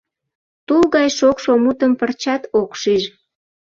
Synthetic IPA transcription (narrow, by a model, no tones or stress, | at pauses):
t̪ulɣɑjʃokʃomut̪əmpərt͡ɕɑt̪okʃiʒ